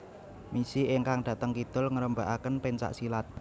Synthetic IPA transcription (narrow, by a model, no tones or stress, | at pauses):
misieŋkaŋɖ̥ä̤t̪əŋkid̪̥ʊ̤lŋəɾəmba̤ʔakənpeɲt͡ʃa̰ʔsilat̪̚